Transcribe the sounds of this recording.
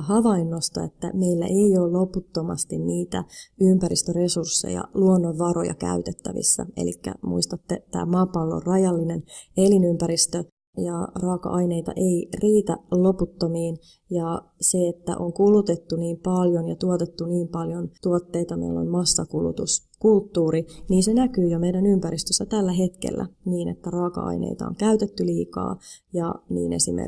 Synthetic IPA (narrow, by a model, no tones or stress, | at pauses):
hɑʋɑinːost̪ɑ̰et̪ːæ̰meilːæ̰ʔeioːlloput̪ːomɑ̰st̪inniːt̪æympæɾist̪øresursːḛjɑ̰luonːoʋʋɑro̰jɑ̰kæ̰yt̪et̪ːæʋḭsːæ̰ḛlḭkːæ̰mṵist̪ɑt̪ːet̪æ̰ːmɑːpːɑlːoo̰rrɑjɑlːinenelinympæɾist̪ø | jɑrɑːkɑ̰ʔɑineit̪ɑ̰ʔeiriːt̪æ̰llo̞put̪ːomiːn | jɑ | seet̪ːæ̰ʔoŋkulut̪et̪ːuniːmpɑljonjɑt̪uot̪et̪ːuniːmpɑljont̪uot̪ːeit̪ɑmḛilːo̰lmɑsːɑkulṵt̪us | kult̪ːuːɾiniːnsenækyːjomeidænympæɾist̪øsːæt̪ælːæɦe̞t̪kḛlːæ̰niːnḛt̪ːærɑːkɑ̰ʔɑ̰inḛijt̪ɑ̰oŋkæyt̪et̪ːyliːkɑ̰ːjɑ̰nḭːnḛsḭmḛ